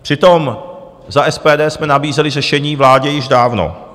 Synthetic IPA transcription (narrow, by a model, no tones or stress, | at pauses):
pr̝̥ɪt̪o̞m | zaʔɛspɛːdɛːsmɛnabiːzɛlɪrɛʃɛɲiːvlaːɟɛjɪʒdaːvno̰